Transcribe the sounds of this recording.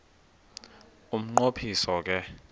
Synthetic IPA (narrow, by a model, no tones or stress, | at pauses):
um̩ŋ͡ǃopʰisɔk̬ɛ